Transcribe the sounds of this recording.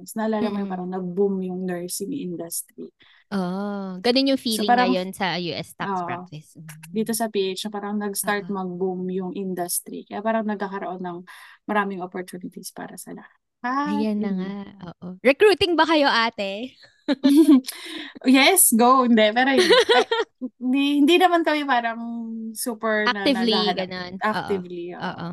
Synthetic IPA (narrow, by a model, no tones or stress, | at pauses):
snɐʔɐlaːlɐmɐjɐpaːɾɐŋnɐɡ̚bumjʊŋnɛɹsɪmʔɪnd̪ɐst̪ɾi | ʔoʔɡɐnonjʊŋfiːlɪŋpaɾɐɐŋjonsɐjuːʔɛst̪ɐʔspa̰t̪ɪsd̪iːt̪o̞sɐpiːʔejt͡ʃnɐpaːɾɐŋnɐɡst̪aɹt̪̚mɐɡ̚bumjʊŋʔɪnd̪ɐst̪ɾḭkɐjapaːɾɐŋnɐɡkːakɐɾoʔo̞nːɐŋmɐɾaːmɪŋopoɹt̪uːnɪt̪ispa̰ːɾɐsɐlɐh | ajanɐŋaʔoːʔoɹɛkɾuːt̪ɪŋbɐkɐjo̞ʔaːt̪ɛ | jɛsɡowɪnd̪ɛpɛːɾohɪ | d̪ihɪnd̪inɐmankɐmɛpaːɾɐŋsuːpɛɹnɐɪlaɐdɡɐnonʔak̪ːɪvlio̰ʔo̰ːʔo